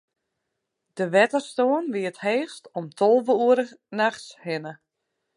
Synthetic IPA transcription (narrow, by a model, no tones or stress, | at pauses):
d̥əʋɛtərstoːənʋiətheːxstɔmtʰɔlˠʋəuəɾənaxshɪnə